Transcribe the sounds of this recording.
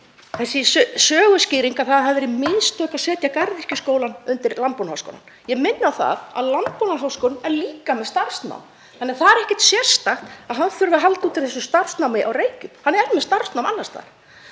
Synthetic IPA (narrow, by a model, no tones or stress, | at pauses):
θɛsːɪssœːɣʏscɪːɾiŋkaðθaðhaðvɛɾɪmɪnst̪œːhkaðsɛːt̪jakaɾðir̥cɪskoːwlanʏnt̪ɪɾlant̪̚punhawsko̰wla̰njɛɣmɪnːawθa̰ða̰ðlant̪̚punaɦawskɔwlɛɾliːkamɛðst̪ar̥st̪na̰wm | θanɛaθaðɛɾɛhcɛ̥t̪sjɛr̥st̪axt̪aðɦanfʏɾvʏaɦalt̪uːt̪ɪlθɛsʏst̪ar̥st̪nawmɪʔawreːjcʏmhanːɛɾmɛðst̪ar̥st̪nawmʔanːast̪a̰ðɾ̥